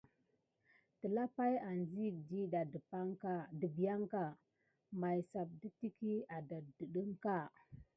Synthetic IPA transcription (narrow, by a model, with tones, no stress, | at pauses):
tə˨la˦pa˦ja˨nzi˦˨di˦da˨dpa˦ŋka˦˨də˨bi˨ja˦ŋka˨ | ma˨jsa˨p̚di˦ti˦ki˦a˨da˨də˨ɗə˦ŋka˦˨